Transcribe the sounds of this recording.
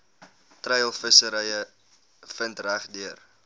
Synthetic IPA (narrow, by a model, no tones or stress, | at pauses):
trəjəlˠfəsəɾəjə | fəntræχdyər